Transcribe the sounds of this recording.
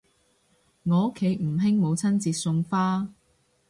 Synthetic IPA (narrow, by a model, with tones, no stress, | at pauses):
ŋɔː˨˧ʊ˥kʰːe˨˧˥jm̩˨˩ɦɪ˥ŋmo˨˧wt͡sʰɐ˥nt͡siː˧t̚sʊ˧ŋfaː˥